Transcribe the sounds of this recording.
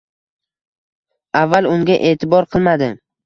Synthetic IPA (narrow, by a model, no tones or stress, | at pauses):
avːalʊŋɡʲaʔe̞ːt̪ʰɪbɒɾqʰɨlˠmad̪ɪ